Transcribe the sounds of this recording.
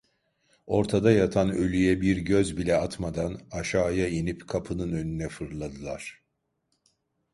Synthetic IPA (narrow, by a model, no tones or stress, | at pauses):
o̞ɾt̪ʰad̪ajat̪ʰanø̞lʲyjɛbiɾɟøzbilʲɛat̪mad̪anaʃaːjainipkʰapʰɯnɯnø̞nynɛfɯɾlˠad̪ɯlˠaɾ̥